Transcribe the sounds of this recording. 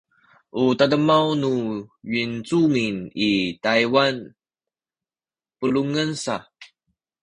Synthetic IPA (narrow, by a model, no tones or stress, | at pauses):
ʔutadəmawnuɥint͡suminitajwan | pəluŋənsa